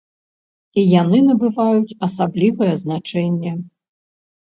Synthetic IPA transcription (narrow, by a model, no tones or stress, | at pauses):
ijanɨnɐbɨvajut͡sʲɐsablʲivɐjɛznat͡ʂɛnʲːɛ